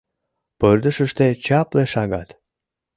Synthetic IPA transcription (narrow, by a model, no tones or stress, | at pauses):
pərd̪əʃəʃt̪et͡ɕɑpleʃɑɣɑt̪